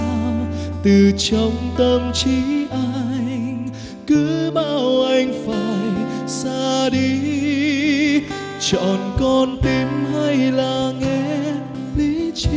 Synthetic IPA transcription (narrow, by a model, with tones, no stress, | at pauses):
t̪ɨ˨˩t͡ɕɔ˨˧wŋ͡mt̪ə˧mt͡ɕi˧˦ʔa˧jŋ | kɨ˨˦ɓaː˧wʔa˧jŋ̟faː˨jsaː˧ɗi˧ | t͡ɕɔ̰˨˩nkɔ˧nt̪i˨˧˦mha˧jlaː˨˩ŋɛ˧ | li˧˥˧